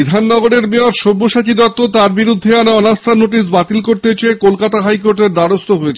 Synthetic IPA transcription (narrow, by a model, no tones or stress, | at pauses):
id̪ʱanːɔɡoɾeɾmeoɾʃobːoʃat͡ɕid̪ɔt̪ːot̪aɾbiɾud̪ʱːeanaɔnast̪ʰanoʈis̬bat̪ilkoɾt̪et͡ɕeekolkat̪aɦajkoɾʈeɾd̪aɽost̪oɦojet͡ɕʰ